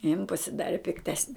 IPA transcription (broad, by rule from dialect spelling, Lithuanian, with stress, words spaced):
jɪn pɐsʲɪˈdɑːrʲɪ pʲɪkˈtʲæːsʲnʲɪ